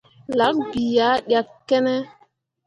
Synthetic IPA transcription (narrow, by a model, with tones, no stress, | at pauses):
la˨˦k̚bi˨ja˨˦ɗja˨kkːɛ˦nɛ˦